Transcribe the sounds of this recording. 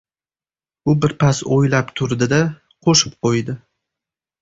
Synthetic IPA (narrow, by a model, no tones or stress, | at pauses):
ʊbɪɾpʰasojlapt̪ʰʊɾd̪ɪd̪a | qʰoʃɪ̥pqʰojd̪ɪ